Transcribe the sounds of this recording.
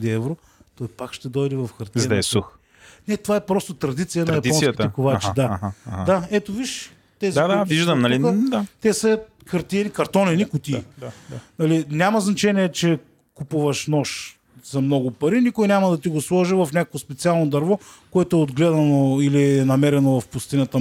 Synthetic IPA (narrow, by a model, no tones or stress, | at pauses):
d̪iɛvɾo | t̪ɔjpakʃt̪ɛd̪ɔjd̪ɛvɐfxɐɾt̪ʲzd̪ɛɛsux | nɛt̪ovaɛpɾɔst̪ot̪ɾɐd̪it̪sijɐnɐjɐp̪ɔsnistk̪ɛkovat͡ʃɛd̪ad̪aɛt̪oviʃ | t̪ɛziad̪aviʒd̪əmnɐlid̪at̪ɛsɐxɐɾt̪inikɐɾt̪ɔninikʊt̪id̪aanɐlinʲamɐznɐt͡ʃɛniɛt͡ʃɛ | kupuvɐʃnɔʃ | zɐmnɔɡʊpɐɾinikʊjnʲamɐd̪ɐt̪iɡoslˠɔʒivɐfnʲakɐkvospɛt̪sialˠnod̪ɐɾvɔkoɛt̪ʊɛod̪ɡlɛd̪ɐnoilinɐmɛɾɛnovɐfpʊst̪inɐt̪ə